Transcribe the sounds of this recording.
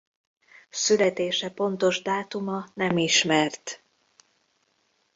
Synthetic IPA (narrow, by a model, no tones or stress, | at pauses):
sylɛt̪eːʃɛpo̞nt̪o̞ʒd̪aːt̪umɒnɛmiʃmɛrt̪